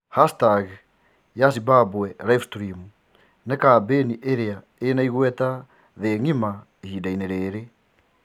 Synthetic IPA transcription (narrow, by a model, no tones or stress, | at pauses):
hastaɣ | jas̬ibabwɛlaifstɾimu | nɛkaːbeniʔeɾea | enaiɣwɛta | ðeːŋima | ehiːdaineɾeːɾe